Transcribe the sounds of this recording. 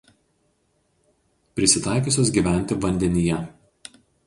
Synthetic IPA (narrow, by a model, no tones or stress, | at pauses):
pʲɾʲɪsʲɪt̪ɑˑɪk̬ʲoˑsʲoːs̬ɡʲiːˑʋʲæˑnʲt̪ʲɪʋɐnʲd̪ʲɛnʲɪjɛ